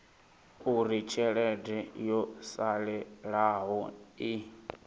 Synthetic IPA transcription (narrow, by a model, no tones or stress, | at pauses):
uɾit͡ʃʰɛɺɛdɛjɔsalɛɺaɦɔi